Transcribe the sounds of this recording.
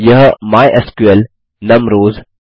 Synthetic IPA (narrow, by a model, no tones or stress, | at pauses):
jəɦəmaːjʔɐskuel | nɐmɾoːz